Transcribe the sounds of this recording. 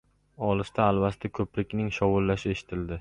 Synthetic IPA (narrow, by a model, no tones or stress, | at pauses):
ɒlˠɪʃt̪ʰaːlˠvast̪ʰakʰɵpɾɪkʲnɪŋʃɒwʊlːaʃɪe̞ʃɪ̥t̪ʰɪld̪ɪ